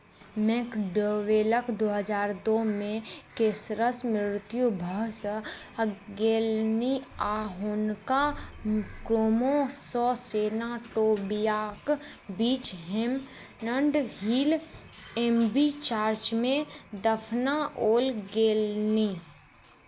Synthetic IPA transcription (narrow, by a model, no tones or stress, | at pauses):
mɛkɖoʋeːləkd̪oːɦəd͡ʒaːɾd̪oːmẽkeːsɾəsmɾɪɾɪt̪jubʱəɦs | ɡeːlniaːɦonka | kɾoːmosɔːseːnaʈoːbijaːk | biːt͡ʃɦem | nəɳɖɦiːl | embit͡ʃaːɾt͡ʃmẽd̪əpʰnaʔoːlɡeːlni